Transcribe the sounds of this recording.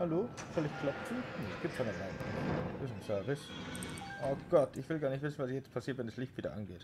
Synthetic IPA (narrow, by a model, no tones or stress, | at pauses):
haloːfœlɪçkʰl̥ɔpt͡sunesɡ̥iːp̚tsanɛlaɪnḁɪsn̩sœɐvɪs | ʔoɡ̥ɔtʰɪçv̥ɪlɡaːɐnɪçtv̥ɪsn̩vasjɛt͡st̚pʰasiːɐtvɛndɛslɪçtv̥iːdɐ̰ʔa̰nɡeːt